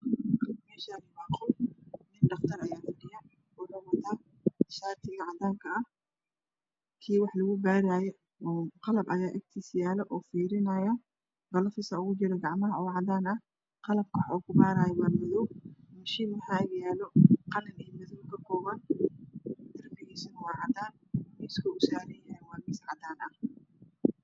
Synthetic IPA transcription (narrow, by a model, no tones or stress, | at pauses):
qɐmɛːʃalɪbaːqɔmɪnɖɑqt̪ʰɐɾɐjaːfɪɽɪjɐ | ɔɾɐwɐt̪ʰaː | ʃaːrt̪ʰɪɣɐʕɑd̪aːŋkʰɐɐh | kʰiːwɑħlɐɣʊbaːɾaːjɛ | ɔːqɑlɐbʔɐjaːʔɐɡ̚t̪ʰisjaːlɔʔɔːfiːɾɪnɐjɐ | bɐlɔfɪsɐʊɣʊt͡ʃɪɾɛɡɑʕmɐɦɐʔɔwʕɑd̪aːnɐ | qɑlɐb̚kʰɐħɔkʰʊbaːɾaːjɐwɐrmɪðɔwmɐʃimɐħaːɡjaːlɔqɑlɐnɛːmɐðukʰɐkʰɔːβɐn | d̪ɐrmɪɣɛsɐnwɑːʕɑd̪aːn | mɪskʰɐʊsaːɾɪjawɑrmɪsʕɑd̪aːnɐh